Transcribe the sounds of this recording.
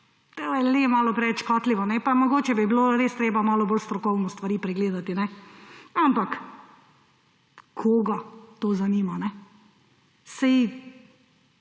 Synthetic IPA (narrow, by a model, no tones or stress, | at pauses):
t̪ojɛlemaːlɔpɾɛʋɛt͡ʃkɔːt̪liʋɔnɛpamɔɡoːt͡ʃɛbibiloɾeːst̪ɾeːbamaːlɔboːlst̪ɾɔkɔwnɔst̪ʋaɾiːpɾɛɡleːd̪at̪inɛ | ampak | kʰoːɡat̪ozaniːmanɛ | sɛj